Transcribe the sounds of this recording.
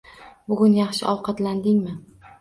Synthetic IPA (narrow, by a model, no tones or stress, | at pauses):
bʊɡʲʊnjɑχʃɪ̰ʔɒwqʰɑt̪land̪ɪŋmɪ